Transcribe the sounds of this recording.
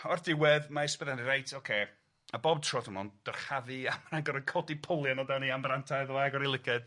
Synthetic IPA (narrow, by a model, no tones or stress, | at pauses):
ɔrdɪwɛðmaɪspɛðaniɾejtʰokʰeː | abɔbtʰrɔðunɔnd̥ərχaðiamanaŋɡɔɾəkʰɔdipʰolˠjanɔdaniambrantʰajðaɡɔɾilˠɪkʰɨd̥